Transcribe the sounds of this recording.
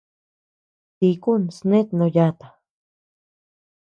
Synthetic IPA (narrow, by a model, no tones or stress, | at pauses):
t̪ikunsnet̪nojat̪ḁ